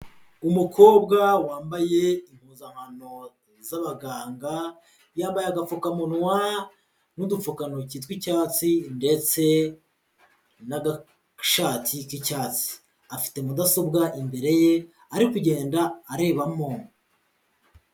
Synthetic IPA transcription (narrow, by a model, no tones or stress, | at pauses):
umukʰo̞ːbɡawaːmbaje̞im̥huːzamano̞ | zaβaɡaːŋɡa | jaːmbajaɡafokamonwa | nudufokanocitwicaːt͡sinde̞t͡se̞ | naɡa | ʃaːtʰikicaːt͡si̥ | afi̥te̞mudaso̞bɡaʔimbe̞ɾe̞je | aɾikuɟe̞ːndaːɾe̞ːβamo